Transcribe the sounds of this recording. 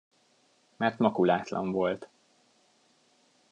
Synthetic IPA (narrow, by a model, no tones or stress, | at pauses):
mɛrt̪mɒkulaːt̪lɒ̰ɱvo̞lt̪